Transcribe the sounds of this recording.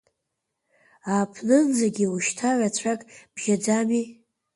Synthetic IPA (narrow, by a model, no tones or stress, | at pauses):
apʰnɨnd͡zaɡʲiuʃtʰaʕʷat͡ɕʷʰakʼb̥ʒʲad͡zami